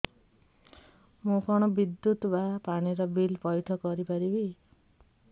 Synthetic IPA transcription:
mũkʰɔɽ̃ɔbid̪jut̪bapaɽ̃iɾɔbilpɔjʈʰɔkɔɾipaɾibi

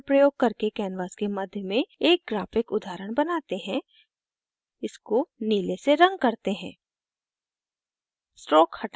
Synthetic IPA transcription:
pɾəjoːɡ̚kɐɾkekɛːnʋaːskemɐd̪ʱjəmẽeːk̚ɡɾaːfɪkʊd̪aːɾəɽ̃bɐnaːt̪eɦɛ̃ | ɪskoniːleseɾɐ̃ŋɡ̚kɐɾt̪eɦɛ̃ː | sʈɾɔːkhɐʈ

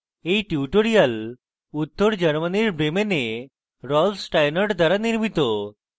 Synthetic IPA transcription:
eʈuʈoɾijəl | ut̪ʰːoɾd͡ʑəɾməniɾbʱemene | ɾɔlsʈajnəɾʈd̪ʱaɾaniɾmit̪o

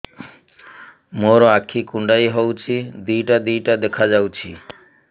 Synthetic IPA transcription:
moɾɔakʰikuɳɖaiɦɔwt͡ʃʰid̪ijʈad̪ijʈad̪ekʰad͡ʒawt͡ʃʰi

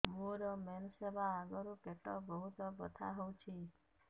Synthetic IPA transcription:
muɾɔmɛnsebʱaːɡɔɾukeʈɔbəɦut̪ɔbət̪ʰa̰ɦɔwt͡ʃʰi

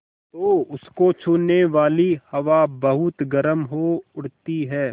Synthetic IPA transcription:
t̪oːʊskot͡ʃʰʊːnːeʋaːlihɐʋabɐɦʊt̪ɡɐɾəmɦoʊɽt̪iɦɛː

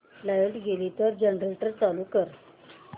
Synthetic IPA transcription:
lajəlʈɡelit̪əɾd͡ʑəɳɾəlʈəɾt̪alukəɾ

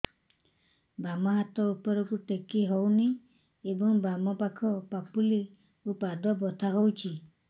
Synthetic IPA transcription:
bamɔɦat̪ɔupɔɾɔkuʈekiɦɔwni | ebɔŋbamɔpakʰɔpapuli | upad̪ɔbɔt̪ʰaɦowt͡ʃʰi

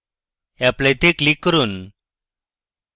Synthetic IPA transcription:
aplẽt̪eklikːəɾuːn

